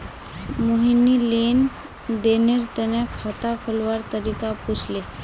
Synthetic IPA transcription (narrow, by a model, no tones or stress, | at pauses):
moɦinːilen | d̪eneɾt̪eñjakʰat̪afʰəlʋaɾt̪əɾikapusle